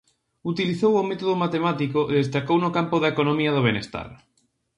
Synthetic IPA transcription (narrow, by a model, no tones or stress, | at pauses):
ut̪iliθowʊmet̪oðomat̪emat̪ikʊʔeðes̬t̪akownʊkampʊðaekonõmiɐðoβ̞enest̪a̰ɾ